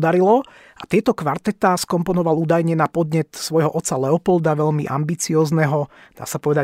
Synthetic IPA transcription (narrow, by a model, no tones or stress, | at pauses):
d̪aɾilɔ | ʔat̪ɪɛt̪ɔkʋaɾt̪ɛt̪aːskɔmpɔnɔʋaluːd̪ajɲɛnapɔd̪ɲɛt̪sʋɔjɦɔʔɔt̪t͡sːalɛɔpɔld̪aʋɛʎmiʔa̰mbit͡siɔːznɛɦɔ | d̪a̰ːsapɔʋɛd̪a